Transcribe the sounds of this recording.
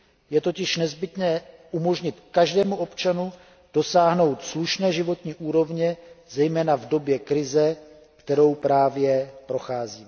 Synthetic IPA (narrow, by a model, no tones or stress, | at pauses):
jɛt̪o̞cɪʃnɛzbɪt̪nɛːʔumo̞ʒɲɪt̪kaʒdɛːmuʔo̞pt͡ʃanu | d̥o̞saːɦno̞wt̪sluʃnɛːʒɪvo̞t̪ɲiːʔuːɾo̞vɲɛzɛjmɛːnavdo̞bjɛkɾɪzɛ | kt̪ɛɾo̞wpɾaːvjɛpɾo̞xaːziːmɛ